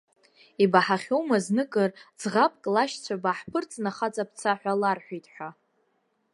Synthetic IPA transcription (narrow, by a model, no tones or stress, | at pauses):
ibaħaχʲowmaznɨkʼɨrd͡zʁapʼkʼlaʃt͡sʷʰabaħpʰɨrt͡sʼnaχat͡sʼap̚ʰt͡sʰaħᶣʷalarħʷᶣijtʼħʷᶣa